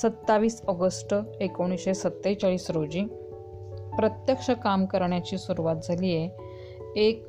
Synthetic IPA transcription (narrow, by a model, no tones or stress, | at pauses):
sət̪ːaʋiːsəɡəsʈəekoɽ̃iɕesət̪ːejt͡ɕaɭiːsɾod͡ʑiː | pɾət̪jəkʂəkamkəɾɳjat͡ɕiːsuɾuʋat̪̚d͡zʱalije | ek̚